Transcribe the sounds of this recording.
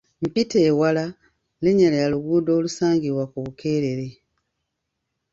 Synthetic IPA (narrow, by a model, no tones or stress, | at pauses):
m̩piteːwala | leɲalejaluɡuːdo̞ːlusaːŋɡiβwakuβukʰe̞ːɾe̞ɾe̞